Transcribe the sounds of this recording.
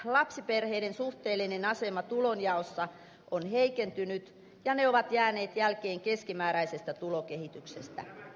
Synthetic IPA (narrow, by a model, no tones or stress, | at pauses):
lɑpsiperheidensuht̪eːlːinenɑsemɑt̪ulonjɑosːɑ | ʔonheikent̪ynyt̪ | jɑneoʋɑt̪jæːneːt̪jælkeːŋkeskimæːɾæisest̪æt̪ulokehit̪yksest̪æ̰